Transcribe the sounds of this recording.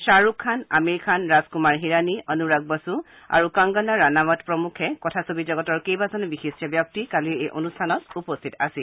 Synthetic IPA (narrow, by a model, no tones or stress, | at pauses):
saɹukʰːana̰meɹikʰanɹazkumaɹɦiɹaniʔɔnuɹaɡ̚basu | a̰ɹukaŋɡɔnaɹanamɔtpɹɔmukʰɛkɔtʰasobizɔɡɔtɔɹkejbazɔnbixisɔbjɔk̚tikaliejʔo̰nustʰanɔtupɔstʰitasil